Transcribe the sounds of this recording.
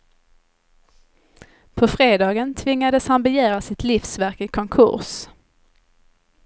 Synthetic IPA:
pʰɔfɾeːd̪ɑːɡənt̪ʰvɪŋːad̪əshanbɛjæːɾasɪt̪lɪfsvæɾkɪkʰɔŋkʰɵ̰ɾs

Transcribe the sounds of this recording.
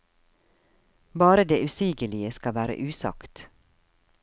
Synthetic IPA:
bɑːɾəd̪eːʔʉsiːɡəlɪəskɑʋæːɾə̰ʔʉːsɑ̰kt̪

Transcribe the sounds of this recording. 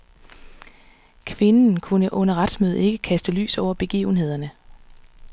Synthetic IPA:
kʰʋe̝nn̩kʰunəʔɔ̽nɐʁad̥smøð̩ˠe̝ɡ̥əkʰæsd̥əly̰ːsɒʊ̰ɐb̥e̝ɡ̥ḭːʊn̩he̝ð̞̰ˠɐnə

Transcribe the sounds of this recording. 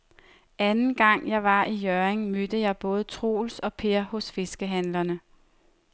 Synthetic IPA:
ænn̩ɡ̥ɑ̈ŋ̰jɑ̈ɪʋɑ̈ʔijœeŋmød̥əjɑ̈ɪb̥ɔ̽ːð̞̩ˠt͡sʰʁo̝̰ːlsɒ̽pʰe̝ɐ̰hɔ̽sfe̝sɡ̥əɦænlɐnə

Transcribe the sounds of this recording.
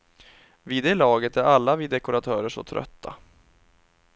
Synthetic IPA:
vid̪eːlɑːɡət̪æɾalːaviːd̪ɛkʊɾat̪ʰœːɾəʂɔ̰t̪ʰɾœ̰t̪ʰːa̰

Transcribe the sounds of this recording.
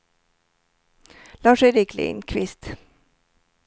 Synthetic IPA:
lɑːʂɛɪɾɪklɪ̰nkʰʋɪst̪

